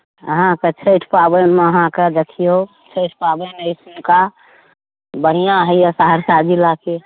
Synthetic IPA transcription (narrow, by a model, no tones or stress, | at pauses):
əɦãkət͡ʃʰəɪʈʰpabənmeəɦãkəd͡ʒ̪əkʰijo | t͡ʃʰəɪʈʰpabənəɪsmka | bəɽijãɦəjasaɦəɾsad͡ʒilake